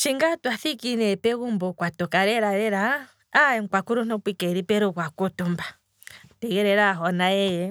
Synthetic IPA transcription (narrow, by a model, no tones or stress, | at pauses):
t͡ʃiŋɡatwaθikinɛpɛɣumbɔkwatɔkaɾɛɾaɾɛɾaː | ɛŋ̩kwakuɾun̥ɔpikɛɾipɛɾukwakutumba | tɛɣɛɾɛɾaɦɔnajɛjɛ